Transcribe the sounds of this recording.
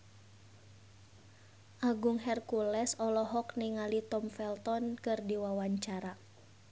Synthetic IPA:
ʔaɡuŋɦɛrkulɛsɔlɔɦɔkniŋalit̪ɔmfɛlt̪ɔnkɨrdiwawaɲt͡ʃaɾa

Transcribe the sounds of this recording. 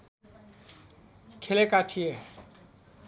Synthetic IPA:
kʰelekaʈʰije

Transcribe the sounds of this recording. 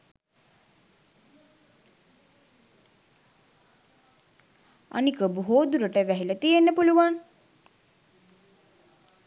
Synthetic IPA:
a̰nikəbuɦoːd̪uɾəʈəʋæɦilət̪ijenːəpuluʋaŋ

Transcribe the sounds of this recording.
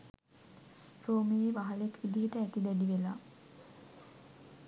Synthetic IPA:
ɾoːmejeʋaɦalekʋid̪iɦəʈəæt̪id̪ɛdiʋelaː

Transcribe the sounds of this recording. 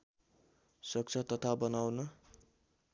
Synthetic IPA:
sʌk̚t͡sʰʌt̪ʌt̪ʰabʌnawnʌ

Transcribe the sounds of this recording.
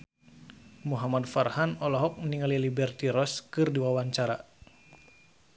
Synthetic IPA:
muɦamadfarhanɔlɔɦɔk̚niŋalilibɛrt̪iɾɔskɨrdiwawaɲt͡ʃaɾa

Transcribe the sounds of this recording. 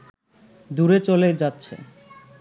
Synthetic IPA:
d̪uɾet͡ɕolejd͡ʑatːɕʰḛ

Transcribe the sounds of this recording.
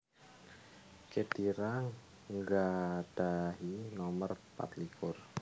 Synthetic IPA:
ked̪̥iɾaŋ | ŋɡad̥aɦinɔmərpa̰t̪lifʊr

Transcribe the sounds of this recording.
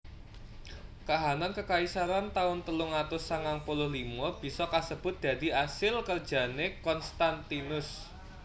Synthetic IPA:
kaɦanankəkaisaɾant̪aʊnt̪əlʊŋat̪ʊsaŋaŋpulʊhlimɔb̥i̤sɔkasəb̥ʊ̤t̪̚d̪̥a̤d̪̥i̤asɪlkərd̥ʒ̥a̤nekɔnst̪ant̪inʊs

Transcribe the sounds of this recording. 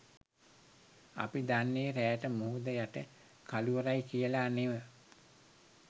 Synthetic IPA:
a̰pid̪anːejəɾæːʈəmoɦud̪əjaʈə | kaluʋəɾajkijəlaːneʋə

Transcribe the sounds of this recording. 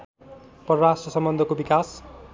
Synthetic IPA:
pʌɾʌɾasʈrʌsʌmbʌnd̪ʱʌkobikas

